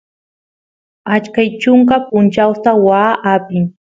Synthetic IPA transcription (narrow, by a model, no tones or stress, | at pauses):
at͡ʃkajt͡ʃʊŋkapʊnt͡ʃawt̪awaːʔapɪŋ